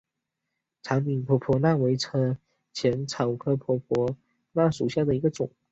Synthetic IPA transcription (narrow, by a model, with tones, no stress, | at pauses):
ʈ͡ʂʰa˧˥ŋmi˨˩npʰwɔ˧˥pʰwɔ˧˥na˥˩we˧˥ɪʈ͡ʂʰɤ˥ | t͡ɕʰjɛ˧˥nʈ͡ʂʰɑ˨˩ʊkʰɤ˥˩pʰwɔ˧˥pʰɔ˧˥ | na˥˩ʂu˨˩ɕja˥˩d̪ə˩i˧˥ɡə˧ʈ͡ʂʊ˨˩˦ŋ